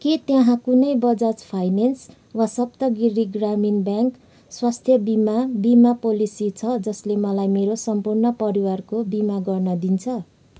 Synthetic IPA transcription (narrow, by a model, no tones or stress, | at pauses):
ket̪jãɦãkunʌjbʌd͡zat͡spʰajnens | wasʌpt̪ʌɡiɾiɡraminbjãŋk | swast̪ʰjʌbimabimapolisit͡sʰʌd͡zʌslemʌlajmeɾosʌmpurnʌpʌɾiwarkobimaɡʌrnʌd̪int͡sʰʌ